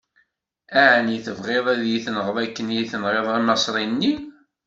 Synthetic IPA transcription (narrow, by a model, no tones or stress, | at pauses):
æʕniθəvʁeðˤæðjiθənəʁəðækːənjiθənʁeðˤæmɑsˤɾˤinːi